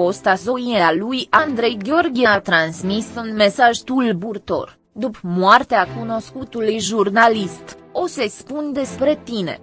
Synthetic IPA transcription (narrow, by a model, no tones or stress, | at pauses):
o̞st̪aso̞iealujand̪ɾe̞jɡʲeo̞rɡʲieat̪ɾansmisunme̞saʒt̪ulburt̪o̞̰r | d̪upmoart̪eakuno̞skut̪ulujʒurnalist̪o̞se̞spund̪e̞spɾe̞t̪ine̞̰